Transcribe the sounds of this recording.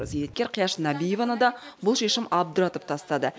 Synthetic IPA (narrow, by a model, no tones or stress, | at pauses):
zejɾet̪̚kʲeɾqʰijɑʃnæbijevɑnəd̪ɑbʊlˠʃeʃɪmɑb̚d̪ʊɾɑt̪əp̚t̪ʰɑst̪ɑd̪ə